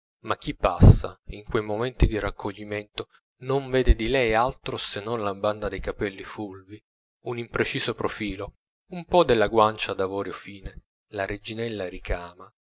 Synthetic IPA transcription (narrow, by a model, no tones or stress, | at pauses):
mak̟ːipːa̰sːa̰iŋkwejmomɛnt̪id̪irakʰːoʎːimɛnt̪o | noɱvɛːd̪ed̪ilɛjalt̪ɾosenːonlaband̪ad̪ejkapɛlːifulvi | unimpɾet͡ʃiːzopɾofiːlo | umpɔd̪elːaɡwant͡ʃad̪avɔːɾjofiːne | laɾed͡ʒinɛlːaɾikaːma